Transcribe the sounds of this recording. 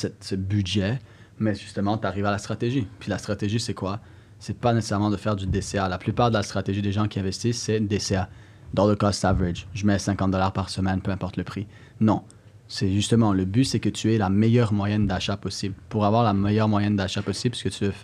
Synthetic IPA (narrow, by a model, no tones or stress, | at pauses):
sɛt̪səbydʒɛ | mɛʒyst̪əmɑ̃t̪aʁivealast̪χat̪eʒipɥilast̪χat̪eʒisɛkwa | sɛpanese̥sɛʁmɑ̃d̪əfɛʁd̪yd̪esealaplypaːʁd̪əlast̪χat̪eʒid̪eʒɑ̃kʲiɛ̃vɛst̪isːɛd̪esea | d̪ɑ̃d̪əkɔst̪avʁɪd͡ʒʒəmɛsɛ̃kɑ̃t̪̚d̪ɔlaʁpaʁsəmɛnpøɛ̃pɔʁt̪ləpχi | nɔ̃ | sɛʒyst̪əmɑ̃ləbysɛkət̪yɛlamɛjœʁmwajɛnd̪aʃapɔsiblpuʁavwaʁlamɛjœʁmwajɛnd̪aʃapɔsibsə̥kət̪yvø